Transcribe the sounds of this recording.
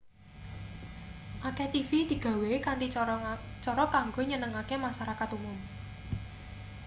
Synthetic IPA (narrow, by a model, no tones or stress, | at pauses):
ʔaket̪ifid̪̥i̤ɡ̥ä̤wekand̪i | t͡ʃɔɾɔkaŋɡoɲənəŋakemaʃaɾakat̪umʊm